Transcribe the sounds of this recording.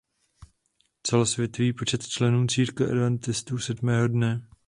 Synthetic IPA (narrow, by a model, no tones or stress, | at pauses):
t͡sɛlosvjɛt̪oviːpo̞t͡ʃɛt̪t͡ʃlɛnuːt͡siːɾkvɛʔɛ̰dvɛnt̪ɪst̪uːsɛdmɛːɦo̞dnɛ